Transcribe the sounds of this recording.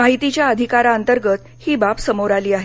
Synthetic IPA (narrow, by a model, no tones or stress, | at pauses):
aɦit̪it͡ɕjaəd̪ʱikaɾaənt̪əɾɡət̪ | hiːbapsəmoɾaliːaɦe